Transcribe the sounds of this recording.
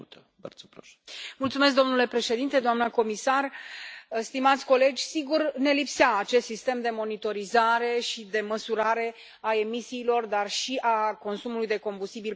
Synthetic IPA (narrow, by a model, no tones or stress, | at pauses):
t̪ | bə̰rsəpɾoʃ | mult̪sumes̬k̚d̪o̞mnule̞pɾe̞ʃe̞d̪int̪e̞d̪oamnəko̞misar | st̪imat̪sʲko̞le̞d͡ʒʲsiɡurne̞lipseaːt͡ʃe̞st̪sist̪e̞md̪e̞mo̞nit̪o̞ɾizaɾe̞ʃid̪e̞məsuɾaɾe̞ | ae̞misiːlo̞rd̪arʃiʔako̞nsumulujd̪e̞ko̞mbust̪ibil